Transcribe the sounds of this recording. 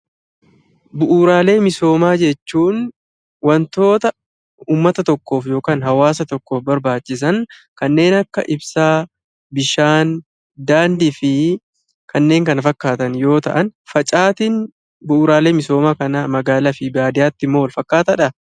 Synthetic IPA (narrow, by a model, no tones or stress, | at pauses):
bʊʔuːɾaːle̞ːmɪso̞ːmaːd͡ʒɛt͡ʃːuːn | wɐnt̪o̞ːt̪ɐ | uːmːɐt̪ɐt̪ɔkːo̞ːfjo̞ːkaːnɦɐwaːsɐt̪ɔkːo̞ːfbɐɾbaːt͡ʃːɪs̬ɐn | kɐnːe̞ːnɐkːɐʔɪbsaː | bɪʃaːn | d̪aːnd̪ɪfɪ | kɐnːe̞ːŋkɐnɐfɐkːaːt̪ɐnjo̞ːt̪ɐ̰ʔɐnfɐt͡ʃʼaːt̪ɪn | bʊʔuːɾaːle̞ːmɪso̞ːmaːkɐnɐmɐɡaːlɐfɪbaːd̪ɪjaːt̪ːɪmːoːwɐlfɐkːaːt̪ɐᶑɐ